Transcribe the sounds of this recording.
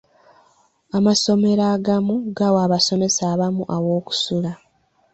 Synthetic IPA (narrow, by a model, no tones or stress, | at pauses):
amaso̞me̞ɾaːɡamuɡawaːβaso̞me̞saːβamuʔawo̞ːku̥sula